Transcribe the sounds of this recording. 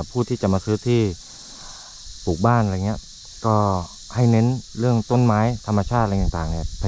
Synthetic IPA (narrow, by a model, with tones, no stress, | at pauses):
pʰuː˧˥˩t̪ʰiː˥˩t͡ɕa˨˩maː˧sɯː˦˥t̪ʰiː˧˥˩ | puː˨˩k̚baː˧˥˩na˧˩ŋi˦˥˩ɐʔ | kɔː˧˩ | ha˥˩jne˧˥nlɯ˥˩əŋt̪o˧˥˩nmaː˨˦˥jt̪ʰa˧mːa˧t͡ɕʰaː˥˩t̪̚la˧t̪a˨ŋt̪aː˨˩ŋni˧˩ɐpʰa˧